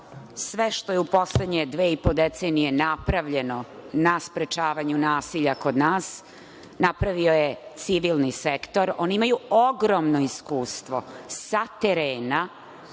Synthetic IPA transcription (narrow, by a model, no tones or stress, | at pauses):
sʋeʃt̪o̞jeupo̞sled̪ɲed̪ʋeːipod̪et̪senije̞napɾaʋʎe̞no̞naspɾet͡ʃaːʋaɲunaːsiʎako̞d̪naːs | napɾaʋio̞jet̪siʋilˠnisekt̪oɾo̞ːniimajuoɡɾomnoiskuːst̪ʋo̞sat̪eɾeːna